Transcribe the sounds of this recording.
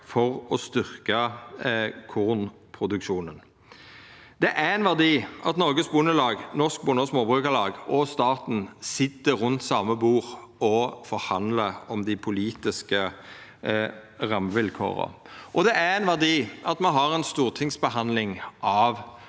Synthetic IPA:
fɔʁɔst̪ʏʁkə | kʰʊn | pʰɾʊd̪ʉkʃuːnən | d̪ɛʔæɛnʋæʁd̪iːʔɑt̪nɔɾɡəsbʊnəlɑːɡnɔsk̚bʊnəɔsmoːbʁʉːkəlɑːɡɔst̪ɑːt̪n̩sɪt̪ːəʁʉnt̪sɑːməbuːʁɔfɔɾhɑnd̪ləɾɔmd̪ɪpʰʊliːt̪ɪskə | ʁɑmʋɪlkʰo̰ːʁə̰ʔɔd̪ɛʔæɾɛnʋæʁd̪iːʔɑt̪mɑnɦɑʁɛnst̪uːʁt̪ʰɪŋsbəɦɑnd̪lɪŋʔɑʋ

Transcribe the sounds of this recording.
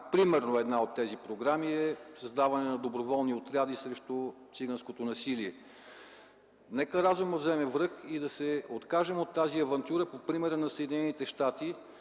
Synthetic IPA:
pɾimɛɾnoɛd̪naot̪ːɛzipɾoɡɾamiɛsɐzd̪avɐnɛnɐd̪obɾovɔlˠniot̪ɾʲad̪isɾɛʃt̪ot̪siɡənskot̪onɐsiliɛ | nɛkəɾazumd̪ɐvzɛmɛvɾɤxid̪ɐsɛot̪kaʒɛmot̪ːaziɐvɐnt̪ʲjuɾəpopɾimɛɾənɐsəɛd̪inɛnit̪ɛʃt̪at̪i

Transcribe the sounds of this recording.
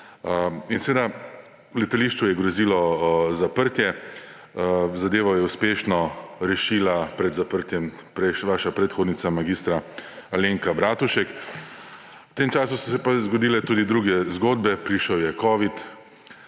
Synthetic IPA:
insɛʋeːd̪a | lɛt̪aliʃt͡ʃujɛɡɾɔziːlɔzapəɾt̪jɛ | zad̪eːʋɔjɛuspeːʃnɔɾɛʃiːlapɾɛd̪zapəɾt̪jɛmpɾɛʃʋaːʃapɾɛt̪xoːd̪nit̪samaɡiːst̪ɾaaleːŋkabɾaːt̪uʃɛk | wt̪eːmt͡ʃaːsusɔsɛpazɡɔd̪iːlɛt̪uːd̪id̪ɾuːɡɛzɡoːd̪bɛpɾiʃɛwjɛkɔːʋit̪

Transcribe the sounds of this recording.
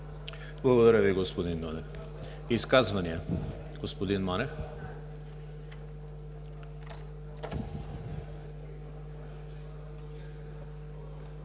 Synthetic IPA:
blˠɐɡod̪aɾaviɡospod̪ind̪ɔnɛf | iskazvaniɛ | ɡ̥ospod̪inmanɛf

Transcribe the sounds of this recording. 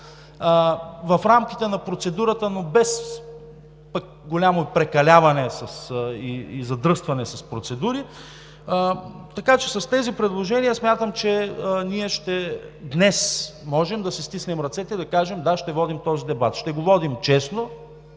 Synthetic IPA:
vɐfɾamk̟it̪ɛnɐpɾot̪sɛd̪uɾət̪ənobɛs | pɐk̚ | ɡolʲamopɾɛkɐlʲavɐnɛsɐsiːzɐd̪ɾɤst̪vɐnɛsɐspɾot̪sɛd̪uɾi | t̪ɐkat͡ʃɛsɐst̪ɛzipɾɛd̪lˠoʒɛniəsmʲjat̪əmt͡ʃɛniɛʃt̪ɛd̪nɛsmɔʒɛmd̪ɐsist̪isnɛmɾɐt̪sɛt̪ɛid̪ɐkaʒɛmd̪aʃt̪ɛvɔd̪imt̪ɔzid̪ɛbat̪ʃt̪ɛɡovɔd̪imt͡ʃɛsno

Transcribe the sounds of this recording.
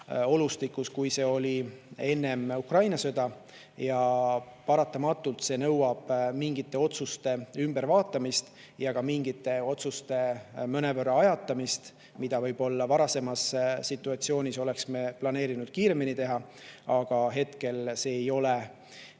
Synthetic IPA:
o̞lust̪ikːˑuskujse̞ːo̞lʲie̞nːe̞mukrɑjnɑsɤd̪̥ɑ | jɑpɑɾɑt̪ːˑɑmɑt̪ːˑult̪se̞nɤ̞wwɑb̥miŋɡit̪ˑːe̞o̞t̪sust̪e̞ymb̥e̞ɾvɑːt̪ːˑɑmist̪ | jɑɡɑmiŋɡit̪ːˑe̞o̞t̪sust̪e̞møne̞vørɑɑjɑt̪ːˑɑmist̪ | mid̪̥ɑvɤjb̥o̞lːɑvɑɾɑse̞mɑsːit̪ːˑuɑt̪sio̞ːnʲiso̞le̞ksmeplɑneːɾinud̪̥kiːɾe̞minit̪e̞ɦɑ | ɑɡ̥ɑɦe̞t̪ke̞lse̞ːjo̞le̞

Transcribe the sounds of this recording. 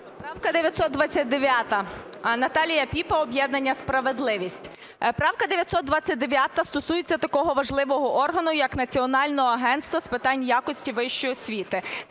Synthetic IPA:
pɾɑwkɐd̪eʋʲjɐt̪ʲsɔt̪̚d̪ʋɑt͡sʲːɐt̚ʲd̪eʋʲjat̪ɐnɐt̪ɑlʲijɐpʲipɐɔbʲjɛd̪nɐnʲːɐspɾɐʋe̞d̪lˠɪʋʲisʲtʲ | pɾɑwkɐd̪eʋjɐt̪ʲsɔt̪̚d̪ʋɑt͡sʲːɐt̚ʲd̪eʋʲjat̪ɐst̪ɔsujet͡sʲːɐt̪ɐkɔɦɔʋɐʒlˠɪʋɔɦɔʔɔrɦɐnʊjɐknɐt͡sʲiɔnɑlʲnɔɦɔɐɦɛnt̪st̪ʋɐspɪt̪ɑnʲjakɔsʲtʲiʋɪʃt͡ʃɔjɔsʲʋʲit̪ɪ

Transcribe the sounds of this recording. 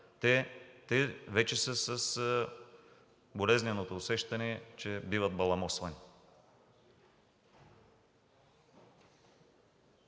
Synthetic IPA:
t̪ɛt̪ɛvɛt͡ʃɛsəsəs | bolɛznɛnot̪oːsɛʃt̪ɐnɛɛt͡ʃɛbivɐd̪̚bɐlˠɐmɔsvɐni

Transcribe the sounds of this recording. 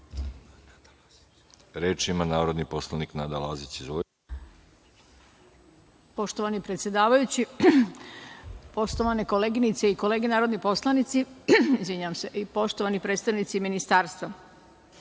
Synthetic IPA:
ɾeːt͡ʃimanaːɾod̪niposlˠaniknaːd̪ala̰ːzit͡ɕizo | po̞ʃt̪o̞ʋanipɾet̪sjed̪aːʋajut͡ɕi | po̞ʃt̪o̞ʋaneko̞leːɡinit̪seiko̞leːɡenaːɾo̞d̪nipo̞slˠanit̪siizʋiɲaʋamse̞ʔipo̞ʃt̪oʋanipɾed̪st̪aʋnit̪siminist̪aːɾst̪ʋa

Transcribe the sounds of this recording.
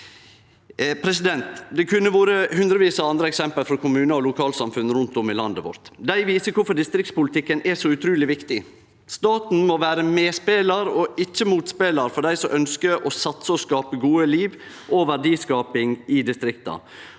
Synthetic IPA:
pʰɾɛsɪd̪ɛnt̪d̪ɛkʰʉnːəʋoːɾəhʉnd̪ɾəʋiːsɑɑnd̪ɾəɛksɛmpəlfɾɔkʰʊmʉːnəɔlʊkʰɑːlsɑmfʉnɾʉnt̪ʊmɪlɑnd̪əʋɔ̰ɾt̪d̪æɪʋiːsəkʊfɔɖ̪ɪst̪ɾɪk̚t̪spʊlt̪ʰɪkːənɛsɔʉt̪ʰɾʉːlɪʋɪkt̪ɪ | st̪ɑːt̪n̩moʋæːɾəmeːspeːlɑɾɔɪc͡çːəmuːt̪speːlɑɾfɔɖæɪsɔʔœnskəɾʔɔsɑt̪səɔskɑːpəɡuːəliːʋ | ʔoʋæɖiːskɑːpɪŋɪd̪ɪst̪ɾɪkt̪ɑ̰

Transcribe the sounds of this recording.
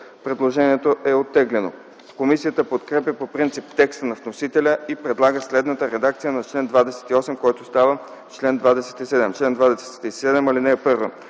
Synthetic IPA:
pɾɛd̪lˠoʒɛniɛt̪oʔɛot̪ːɛɡlɛno̰ | komisijət̪əpot̪kɾɛpjəpopɾint̪sipt̪ɛkst̪ənɐvnosit̪ɛlʲəipɾɛd̪lˠaɡəslɛd̪nət̪əɾɛd̪ak̚t̪sijənɐt͡ʃlɛnd̪vad̪ɛsɛ̥t̪iɔsɛmkɔjt̪ost̪avə | t͡ʃlɛnd̪vad̪ɛsɛ̥t̪isɛd̪ɛmt͡ʃlɛnd̪vad̪ɛsɛ̥ɛ̥t̪isɛd̪ɛmalinɛpɤɾvə

